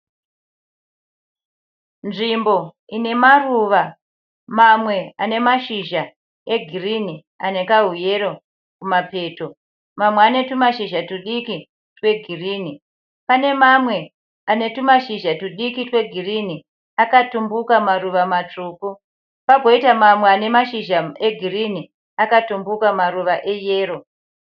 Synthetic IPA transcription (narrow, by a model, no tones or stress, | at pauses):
nʐimbo̞ine̞maruʋa | mamwe̞a̰ne̞maʃiʒa | e̞ɡʱirini | ane̞kaɦuje̞ro̞ | kumape̞ːto̞ | mamweane̞tumaʃiʒatuɗiki | twe̞ɡʱiriːni | pane̞mamwe̞ | ane̞tumaʃiʒatuɗikitwe̞ɡʱirini | akatumbukamaruʋamat͡ʂuːku | paɡʱo̞itamamweane̞maʃiʒae̞ɡʱirini | akatumbukamaruʋaʔejeːro̞